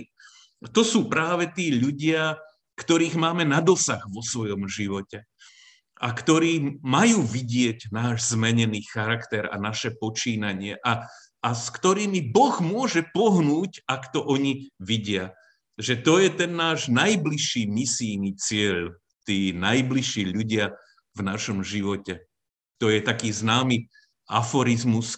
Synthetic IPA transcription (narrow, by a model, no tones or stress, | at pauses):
t̪ɔsuːpɾaːʋɛt̪iːʎuɟɪa | kt̪ɔɾiːɣmaːmɛnad̪ɔsaɣʋɔsʋɔjɔmʒiʋɔcɛ | akt̪ɔɾiːmajuːʋiɟɪɛɟnaːʒzmɛɲɛniːxaɾakt̪ɛɾa̰naʃɛpɔt͡ʃiːnaɲɪɛʔa | askt̪ɔɾiːmibɔɣmʊɔʒɛpɔɦnuːcakt̪ɔʔɔɲiʋiɟɪa | ʒɛt̪ɔjɛt̪ɛnːaːʒnajbliʃːiːmisiːnit͡sɪɛʎ | t̪iːnajbliʃːiːʎuɟɪa | vnaʃɔmʒiʋɔcɛ | t̪ɔjɛt̪akiːznaːmi | a̰fɔɾizmus